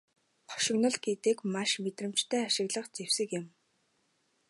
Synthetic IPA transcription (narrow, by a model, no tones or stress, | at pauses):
χɔ̥ʃɪ̆ɣnɞ̆ɮɡet̪ɘ̆kmaʃmet̪rɘ̆m̥t͡ɕt̪ʰæːaʃɪ̆ɣɮə̆qt͡sewsɘ̆kjɪ̆m